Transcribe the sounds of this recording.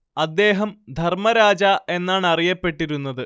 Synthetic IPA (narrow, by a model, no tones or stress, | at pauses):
ɐd̪ːe̞ːɦɐmd̪ʱɐrmɐɾaːd͡ʑɐe̞nːaːɳɐrijɐpːe̞ʈːiɾunːɐðɨ